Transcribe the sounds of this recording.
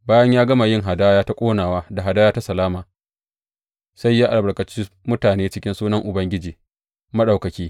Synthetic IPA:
baː˦jɐ˦ɲjaː˦ɡɐ˦ma˨jɪ˦ŋɦa˨daː˦jaː˦ta˦kʷʼoː˦naː˨waː˦da˨ɦa˨daː˦jaː˦ta˦sɐ˨laː˦maː˨ | sa˦jːaː˦ʔa˨bɐ˨ɽkɐ˨t͡ʃi˦ | mʊ˦taː˨neː˦t͡ʃɪ˦kʲɪ˦nsuː˦nɐ˦ŋʔʊ˨bɐ˦ŋɡʲɪ˦d͡ʒiː˨ | mɐ˦ɗa˨wkɐ˨kʲiː˦

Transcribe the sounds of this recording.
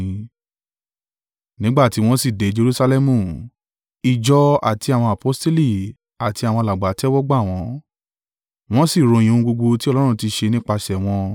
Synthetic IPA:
nĩ˦ɡ͡ba˦˨ti˨˦w̃ɔ̃˦si˦˨de˨˦d͡ʒe˧ɾu˦sa˧lɛ˦mũ˦˨ | i˨d͡ʒɔ˧a̰˨ti˧a˨w̃ɔ̃˧a˨po˨˦ste˦li˦˨ | a˨ti˧a˨w̃ɔ̃˧la˨ɡ͡ba˨˦tɛ˦wɔ˦ɡ͡ba˦˨w̃ɔ̃˨˦ | w̃ɔ̃˦si˦˨ɾo˨˧˨jĩ˧˨ũ˧ɡ͡bo˧ɡ͡bo˧ti˦ɔ˦˧lɔ˦ɾ̃ũ˧ti˧ʃe˧nĩ˦k͡pa˧ʃɛ˨w̃ɔ̃˧

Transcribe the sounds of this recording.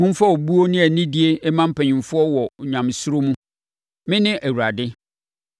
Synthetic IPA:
hʊ̃˦m̩˦fa˦o˨bu˦o˦nɪ̃˦æ˨nɪ̃˦di˦e˦ɛ˦mã˦m̩˦pʰɛ̃˨ɲɪ̃˨fʊ˦ɔ˦wɔ˨ɲᶣã˨m˨sʊ˦ɾo˦mũ˦ | mɪ̃˦nɪ̃˦ʔæ˨wu˨ɾa˨dɪ˦

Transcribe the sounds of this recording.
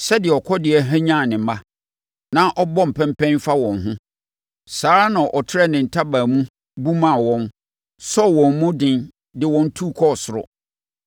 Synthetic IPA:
sɛ˦dɪ˨ɛ˨ɔ˨kʰɔ˦dɪ˨ɛ˦ɦæ˦ɲã˦˨nɪ̃˨˦mã˦ | nã˦ʔɔ˦bɔ˦m̩˨pʰɛ̃˦mpɛ̃˦nfa˦wɔ̃˨nɦʊ̃˦ | saː˨˦ɾa˦nã˨ʔɔ˨tʰɪ˦ɾɛ˦˨nɪ̃˨n̩˨tʰa˦baː˨mũ˦ | bu˦mã˨wɔ̃˦n | sɔ˦˨wɔ̃˨m˨˦mũ˦dɪ̃˦n | dɪ˨wɔ̃˦n̩˦tʰu˦˨kʰɔ˦˨sʊ˨ɾʊ̰˨

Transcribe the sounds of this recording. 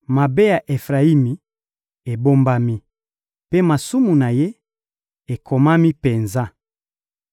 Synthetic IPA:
ma˨be˦ja˨ʔe˨fʁa˨i˦mi˨ | e˨bo˦mba˦mi˦ | pe˦ma˨su˦mu˨na˨je˦ | e˨kʰo˨ma˦mi˦pe˨nza˦

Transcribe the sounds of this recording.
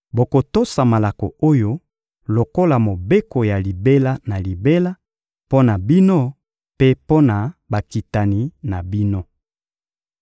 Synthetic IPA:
bo˨ko˨to˦sa˨ma˨la˨ko̰˨o˦jo˦ | lo˨ko˦la˨mo˨be˦ko˨ja˨li˨be˦la˦na˨li˨be˦la˦ | po˦na˨bi˦no˦ | pe˦po˦na˨ba˨ki˨ta˨ni˨na˨bi˦no˦

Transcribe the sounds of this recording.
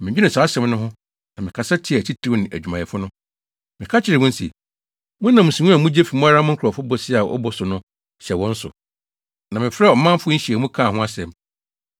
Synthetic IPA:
mɪ̃˨d͡ʑᶣnɪ̃˨sa˨˦ɕɛ̃˨˦mnʊ̃˦ɦʊ̃˦ | nã˨mɪ̃˨kʰa˨sa˦tʰɪ˨a˨t͡ɕʰi˦tʰɾi˦nɪ̃˨ʔæ̰˨d͡ʑᶣu˨mã˨ɛ˨fʊ˦nʊ̃˦ | mɪ̃˨kʰa˦t͡ɕʰɪ˨ɾɪ˨mʊ̃˦n̩˦sḭ˨ | mʊ̃˦nːã˨mũ˨sĩ˨ɲũ˦a˨mũ˦d͡ʑe˦fi˨mʊ̃˦a˦ɾa˦mʊ̃˦ŋ̩˦kʰɔ˨fʊ˦bɔ˨sɪ˦a˨ʔɔ̰˦bɔ˦sʊ˨nʊ̃˦ | ɕɛ˨wɔ̃˦n̩˦sʊ̰˨ | nã˨mɪ̃˨fɾɛ˦ɔ˨˦mã˦m˦fʊ˦ɕi˨ɛ˨mũ˦kʰã˦˨hʊ̃˦a˦sɛ̃˨m

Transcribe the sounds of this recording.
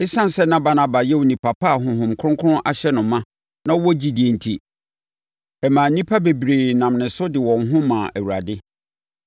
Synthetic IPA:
ɪ˦sã˦n˨sɛ˦nã˦ba˨nã˨ba˨jɛ˦wo˨nĩ˨pʰa˨pʰa˦a˨ɦʊ̃˨ɦʊ̃˨mkʰʊ̃˦kʰʊ˦ʊ̃˦ʔa̰˨ɕɛ˦nʊ̃˨mːã˦ | nã˦wɔ˦d͡ʑi˦dɪ˨e˨n̩˨tʰi˦ | ɛ˨mãː˨˦nĩ˦pʰa˦be˨bɾeː˨nã˨mnɪ̃˨sʊ˦dɪ˨wɔ̃˨nɦʊ̃˦mãː˨ʔæ˨wu˨ɾa˨dɪ˦

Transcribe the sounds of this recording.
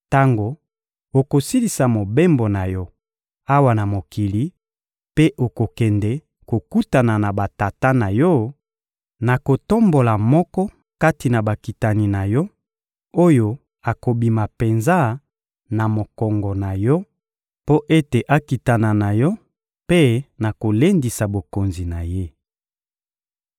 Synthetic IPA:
ta˦ŋɡo˨ | o˨ko˨si˦li˨sa˨mo˨be˦mbo˨na˨jɔ˦ | a˦wa˨na˨mo˨ki˨li˨ | pe˦ʔo˨ko˨kɛ˨ndɛ˨ | ko˨ku˦ta˨na˨na˨ba˨ta˨ta˦na˨jɔ˦ | na˨ko˨to˦mbo˨la˨mɔ˦kɔ˦ | ka˦ti˨na˨ba˨ki˨ta˨ni˨na˨jɔ˦ | o˦jo˨ | a˨ko˨bi˨ma˨pe˨nza˦ | na˨mo˨kɔ˨ŋɡɔ˨na˨jɔ˦ | po˦ʔe˦te˨ʔa˦ki˨ta˨na˨na˨jɔ˦ | pe˦na˨ko˨le˦ndi˨sa˨bo˨ko˨nzi˨na˨je˦

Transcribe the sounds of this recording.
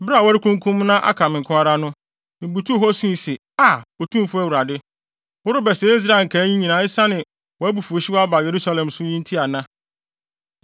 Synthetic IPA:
bɪ˦ɾa˨wɔ˦ɾɪ˦kʰũ˦ŋ˦kʰũ˦m˦nã˦ʔa̰˦kʰa˨mɪ̃˨ŋ˨kʰʊ̃˦a˦ɾa˦nʊ̃˦ | m̩˨bu˨tʰu˦ɦɔ˦sũ˦i˨se˨ | a˨o˨tʰũ˦m˦fʊ˦æ˦wu˨ɾa˨dɪ˦ | wʊ˦ɾʊ˦bɛ˨sɛ˨˦i˦s̬ɾa˦˨ŋ̩˨kʰa˨˦ɲĩ˦ɲĩ˨nãː˨˦ɪ˦sa˦nɪ̃˨ | wɔ˨æ˦bu˨fu˨o˨ɕi˦wa˦ba˨je˨ɾu˦sa˦lɛ̃˨msʊ˦ɲĩ˦n̩˦tʰi˦a˨nã˦

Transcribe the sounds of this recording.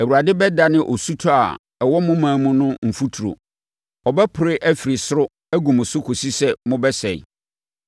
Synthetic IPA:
æ˨wu˨ɾa˨dɪ˦bɛ˦da˨nɪ̃˦ʔɔ˨su˦tʰɔ˦a̰˨ | ɛ˨wɔ˦mʊ̃˦mãː˨˦mʊ̃˦nʊ̃˦m̩˨fu˦tʰu˨ɾo̰˨ | ɔ˨bɛ˦pʰʊ˨ɾɪ˦ʔæ˦fi˨ɾi˨sʊ˦ɾʊ˦ | æ˦ɡũ˨mʊ̃˨sʊ˦kʰo˨si˦sɛ˦mʊ̃˦bɛ˦sɛ˨ḭ˨

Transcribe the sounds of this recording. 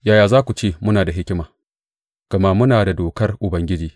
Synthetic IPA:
jaː˦jaː˨zaː˦kʷu˨t͡ʃeː˦˨mʊ˦naː˨da˨ɦɪ˦kʲɪ˦maː˨ | ɡ̥ɐ˨maː˦mʊ˦naː˨da˨doː˨kɐ˦rʔʊ˨bɐ˦ŋɡʲɪ˦d͡ʒiː˨

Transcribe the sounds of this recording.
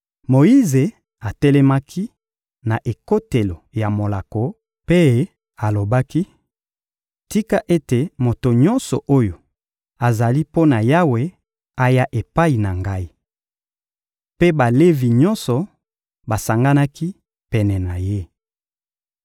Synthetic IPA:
mo˨i˦ze˨ | a˨tɛ˦lɛ˦ma˦kʰi˦ | na˨ʔe˨ko˦te˨lo˨ja˨mo˨la˨ko˨ | pe˦ | a˨lo˨ba˦ki˦ | ti˦ka˦ʔe˦te˨mo˨to˨ɲɔ˦nsɔ˨ʔo˦jo˨ | a˨za˨li˦po˦na˨ja˦we˨ | a˦ja˦ʔe˨pa˦i˨na˨ŋɡa˦i˦ | pe˦ba˨le˦vi˨ɲɔ˦nsɔ˨ | ba˨sa˨ŋɡa˦na˦ki˦ | pɛ˨nɛ˨na˨je˦

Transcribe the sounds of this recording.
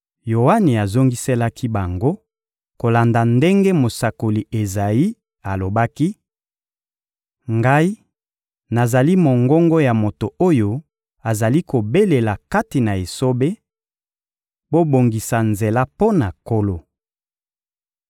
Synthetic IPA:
jo˨wa˦ni˨a˨zo˦ŋɡi˦se˦la˦kʰi˦ba˨ŋɡo˦ | ko˨la˨nda˨nde˦ŋɡe˦mo˨sa˨ko˨li˨e˨za˨i˦ | a˨lo˨ba˦ki˦ | ŋɡa˦i˦ | na˨za˨li˦mo˨ŋɡɔ˦ŋɡo˦ja˨mo˨to˨o˦jo˦ | a˨za˨li˦ko˨be˦le˨la˨ka˦ti˨na˨e˨so˦be˦ | bo˦bo˨ŋɡi˨sa˨nze˨la˦po˦na˨ko˦lo˦

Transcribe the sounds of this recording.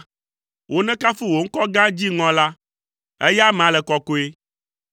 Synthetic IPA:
wʔo˨nɛ̃˦ka˦fi˦wo˨ŋ̩˦kɔ˦ɡã˦d͡ʑi˦ŋɔ̃˦la˦ | ɛ̰˦ja˦m̃˨ã˨lɛ˨kɔ˨ko˦e˦

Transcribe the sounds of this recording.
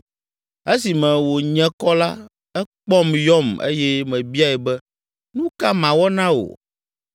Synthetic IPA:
e˦si˨mɛ̃˨wo˨ɲɛ̃˨kɔ˦la˦ | ɛ˦k͡pɔ˦mjɔ˦mḛ˦jɛ˦mɛ̃˨bi˦a˦ɛ˨bɛ˦ | nũ˦ka˦mã˨wɔ˦nã˦wo̰˨

